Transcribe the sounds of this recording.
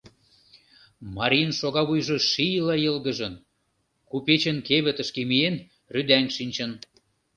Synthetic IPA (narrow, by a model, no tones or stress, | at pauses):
mɑɾʲijənʃoɣɑβujʒɤ̆ʃijlɑjəlɣə̆ʒə̆n | kupet͡ɕə̆nkeβə̆t̪ə̆ʃkemien | ryd̪æŋʃinʲt͡ɕə̆n